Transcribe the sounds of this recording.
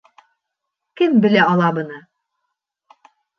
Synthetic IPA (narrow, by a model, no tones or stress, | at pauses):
kɘmbɘ̆læɑlˠɑbɤ̆nɤ